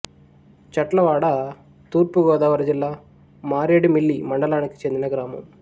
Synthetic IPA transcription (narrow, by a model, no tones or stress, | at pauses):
t͡ʃɐʈlɐʋaːɽɐ | t̪uːɾpuɡɔːd̪aːʋɐɾɐd͡ʒilːaː | maːɾeːɽimiɭːimɐɳɖɐlaːniki̥t͡ʃe̞nd̪inɐɡɾaːmɐ̰m